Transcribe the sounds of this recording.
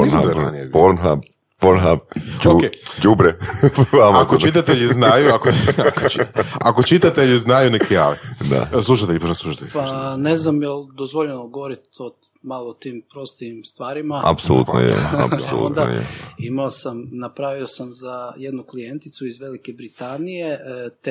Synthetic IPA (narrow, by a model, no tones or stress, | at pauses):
ɾad̪eɾnjed̪poɾnɦap | poɾnɦabokeːd͡ʒubɾeʋamakot͡ʃit̪at̪eʎizznajuakoakot͡ʃakot͡ʃit̪at̪e̞ʎiznajunekʰea̰lid̪a̰slˠuʃat̪eʎiponaslˠuʃḁt̪eʎipaneznamjeld̪ozʋoʎenoɡoʋoɾit̪o | malˠoːt̪impɾo̞st̪iimst̪ʋaːɾimaa̰psolˠṵt̪no̰jḛa̰po̰lṵnd̪a̰jḛimaosamnapɾaʋiosamzajed̪nuklijent̪it̪suizʋelike̞bɾit̪anije̞t̪